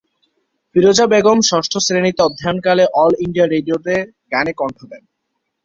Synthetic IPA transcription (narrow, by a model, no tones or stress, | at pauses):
piɾod͡ʑabeɡomʃɔʃʈʰosɾenit̪eɔd̪ʱːaonkaleʔɔliɳɖijaɾeɖioʈe | ɡanekɔɳʈʰod̪ɛn